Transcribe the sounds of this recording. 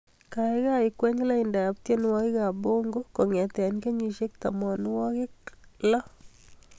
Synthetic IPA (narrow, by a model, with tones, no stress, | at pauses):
ka˨ɪ˦ɣa˦ɪ˨kwɛ˦ɲ˦la˦ɪ˨ndaː˨p̚t̪je˦nwɔ˦kɪ˦ɣa˨bo˦ŋɡo˦ko˨ŋɛ˨t̪ɛ˨a˨nke˦ɲi˨ʃe˦k̚t̪a˨mɔ˨n˦wɔ˦kɪ˦klɔ˦